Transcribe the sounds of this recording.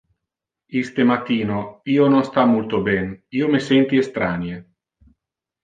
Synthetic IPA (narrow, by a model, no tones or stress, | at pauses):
ist̪emat̪ːiːnoiːononst̪amult̪obɛniːomesɛnt̪iest̪ɾanje